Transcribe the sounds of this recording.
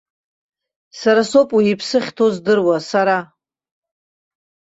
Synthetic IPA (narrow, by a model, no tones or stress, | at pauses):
saɾaso̞pʼwiipʰsɨχʲtʰozdɨrwasaɾa